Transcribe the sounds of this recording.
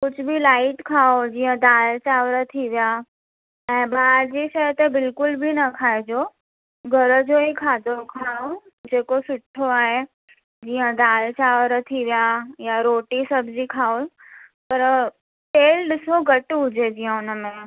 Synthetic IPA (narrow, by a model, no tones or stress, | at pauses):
kʊt͡ʃʰbʱilaːɪʈkʰaːod͡ʑiːə̃d̪aːlt͡ɕaːʋɾət̪ʰiʋija | ɛ̃ːbaːdd͡ʑiʃəɦt̪ebɪlkʊlbʱinəkʰaːed͡ʒoː | ɡʱɐɾd͡ʒoːɦikʰaːd̪ʱokʰaːo | d͡ʑeːkosʊʈʰːoaːɦe | d͡ʑiːə̃d̪aːlt͡ɕaːʋɾət̪ʰiʋijajaɾoːʈisəbd͡ʑikʰaːo | pɐɾ | ʈeːlɖɪsoɡəʈɦʊd͡ʑed͡ʑiɦə̃ʊnəmẽ